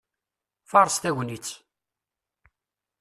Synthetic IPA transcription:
fɑɾˤst̪æʝnit͡sː

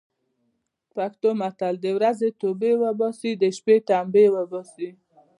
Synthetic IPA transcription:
pakt̪omat̪ald̪əwɾazet̪obewəbasid̪əʃpet̪ambewəbosi

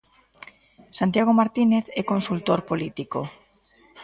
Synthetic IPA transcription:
sant̪jaɣ̞omaɾt̪ineθɛkonsult̪oɾpolit̪iko

